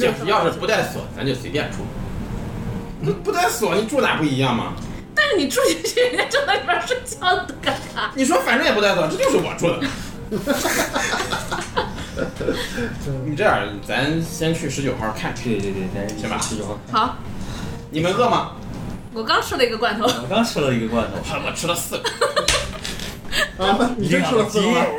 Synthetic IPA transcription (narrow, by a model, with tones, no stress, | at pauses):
t͡ɕɛ˥˧˩jɑ˥˧ʊʂɻ̩˥˩pu˧˥t̪a˥˩ɪsɹ̩̰˨˩fa˧˥nt͡ɕjo˥˩swḛ˧˥pjɛ˥˩nʈ͡ʂʰu˥˩ | o˥˧pu˧˥t̪t͡sa˥˩ɪsɹ̩˨˩˦ni˨˩ʈ͡ʂʰu˥˧na̰˨˩pu˥˩i˧˥jɑ˥˩ŋmɐ̰˩ | t̪a˥˧nʂɻ̩˥˩ni˨˩ʈ͡ʂʰu˥˩˧t͡ɕɛ˥˩ɛ˥˩ʈ͡ʂə˥˧t̪a˥ʂə˥˩t͡ɕjɑ˥˩ʊ˨t̪ə˧˩ka˨˥˩ | ni˨˩ʂ̬wɔ˥fa˨˩nʈ͡ʂŋjɛ˨pt̪a˥˩ɪs̬̩˨˩˧ʈ͡ʂɤ˥˧t͡ɕo˧ʊʂɻ̩˥˩wɔ̰˨˩ʈ͡ʂʰu˥˩d̪ə˨˩ | ni˨˩ʈ͡ʂə˥˩ə̰˨˧˩t͡sa˧˥nɕjɛ˥nt͡ɕʰy˥˩ʂɻ̩˧˥t͡ɕjo˨˩ʊxa̰˥kʰa˥˧˩nkʰt̪t̪ta˥˩˥ɕjɛ˥ma̰˧˥sɹ̩˥˩t͡ɕo˥˧˩ʂxɑ˨˩˦ | ni˨˩mə˧˦nɣɤ˥˩mɐ˩ | wɔ˨˩kɑ˥ŋʈ͡ʂʰɻ̩˥˩lə˨˧i˧˥ɡə˧kwa˥˩nt̪ʰo˧˥ʊwɔ˨˩kɑ˥ŋʈ͡ʂ̩ʰ˥˩lə˨i˧˥ɡə˧kwa˥˩nt̪ʰo˧˥ʊʈ͡ʂʰa˥˩˧wɔ̰˨˩ʈ͡ʂʰɻ̩˥lə˧sɹ̩˥˩˧ | i˨˩˥lə˧s̩˥˧˥